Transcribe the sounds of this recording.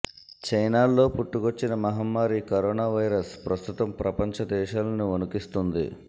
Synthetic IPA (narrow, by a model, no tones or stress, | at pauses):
t͡ʃɐjnaːlːo̞ːpuʈːukot͡ʃːinɐmɐɦɐmːaːɾikɐɾɔːnaːʋɐjɾɐspɾɐst̪ut̪ɐmpɾɐpɐɲt͡ʃɐd̪ɛːʃaːlɐnionukist̪und̪ḭ